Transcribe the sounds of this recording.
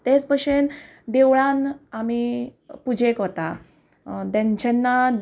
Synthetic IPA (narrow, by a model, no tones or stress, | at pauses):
t̪et͡spəɕen | d̪eʋɭãnamipud͡ʑekɦot̪a | d̪ãɲt͡ɕenːa